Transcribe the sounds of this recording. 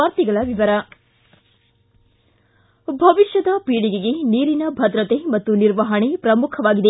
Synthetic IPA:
aːɾt̪iɡɐɭɐʋiʋɐɾɐ | bʱɐʋiʃjɐd̪ɐpiːɽiɡeɡe̞niːɾinɐbʱɐd̪ɾɐt̪emɐt̪ːuniɾʋɐɦɐɳepɾɐmukʰɐʋaːɡid̪e

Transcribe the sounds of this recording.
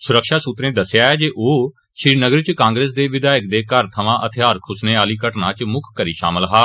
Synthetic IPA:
sʊɾəkʃaːsuːt̪ɾẽːd̪əsjaːɛːd͡ʒeːʔoː | ʃiːnəɡəɾt͡ʃkãːŋɡɾeːs̬d̪eːʋɪd̪aːɪk̚d̪eːkəɾt̪ʰəʋãːʔət̪ʰɪjaːɾkʰʊsneːaːliːkəʈnãːt͡ʃmʊkʰkːəɾiːʃa̰ːməlɦaː

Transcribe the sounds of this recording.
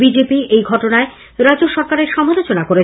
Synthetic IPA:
bid͡ʑepiʔejɡʱɔʈonae | ɾad͡ʑoʃɔɾkaɾeɾʃɔmalot͡ɕonakoɾe

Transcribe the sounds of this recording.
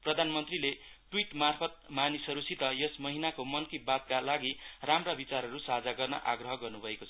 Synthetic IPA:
prʌd̪ʱanmʌnt̪rileʈwiʈmarpʰʌt̪̚manisʌɾusʰit̪ʌjʌsmʌɦinakomʌnkibad̪̚kalaɡiramrabit͡saɾɦʌɾusad͡zaɡʌrnʌ̰ʔaɡrʌɦʌɡʌrnubʱʌekot͡sʰʌ

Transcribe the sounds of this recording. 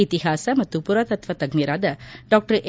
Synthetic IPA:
it̪iɦaːsɐmɐt̪ːupuɾat̪ɐt̪ʋɐt̪ɐɡmiɾaːd̪ɐɖɔːk̚ʈɐɾʔ

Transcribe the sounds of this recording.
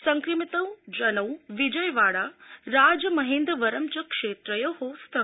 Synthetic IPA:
sɐ̃ŋkɾɪmit̪əʋd͡ʒɐnɐwʋid͡ʒəjʋaːɽaɾaːd͡ʒmɐɦẽːnd̪ɾəʋɐɾəmt͡ʃɐkʂeːt̪ɾəjəhoːst̪ʰɐ

